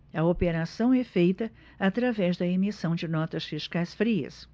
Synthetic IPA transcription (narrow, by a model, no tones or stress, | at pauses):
ɐopeɾasɐ̃w̃ɛfejt̪ɐ | at̪ɾavɛzd̪ɐemisɐ̃w̃d͡ʒɪnɔt̪ɐsfiʃkajsfɾiɐ̰s